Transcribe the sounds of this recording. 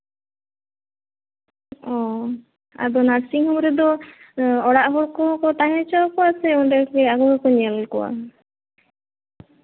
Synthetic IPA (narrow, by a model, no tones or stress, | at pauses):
ɔ | a̰d̪ɔnaɾsiŋhɔmɔɾɛd̪ɔ | ɔɽaʔɦɔɽkɔkɔt̪aɦɛt͡ʃɔkɔasɛɔdɛkɛaɡɔɾɔkɔɲɛlkɔwa̰